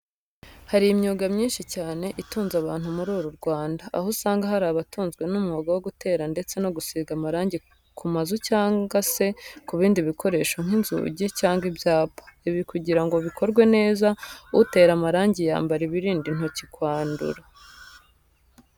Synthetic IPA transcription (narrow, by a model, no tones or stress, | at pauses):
haɾijmɲuːɡamɲiːnʃicaːne̞ʔituːnzaβaːn̥humuɾuːɾuɾɡwaːnda̰ːhosaːŋɡaɦaɾaːβatuːnzɡwe̞numŋoːɡawo̞ɡute̞ːɾande̞t͡se̞no̞ɡusiːɡamaɾaːɲɟi | kʰumazucaːŋɡase̞kuβiːndiβikʰo̞ɾe̞ːʃoŋ̥inzṵɟicaːŋɡibjaːpḁiβikuɟiɾaŋɡo̞βikʰo̞ɾɡwe̞ne̞ːzaute̞ːɾamaɾaːɲɟija̰ːmbaɾiβiɾiːndin̥hocikwaːndṵɾa